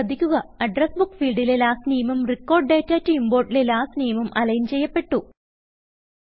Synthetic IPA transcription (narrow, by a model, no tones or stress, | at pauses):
ɐd̪ʱikʲːuɣɐɐɖrɐsbukːfiːlɖilelaːsnijɐmɐmrikːo̞ːrɖɖeːtːaːtːɨimbo̞ːrʈːilelaːsniːjɐmɐmʔɐlɐjint͡ɕe̞jːɐpːe̞ʈːu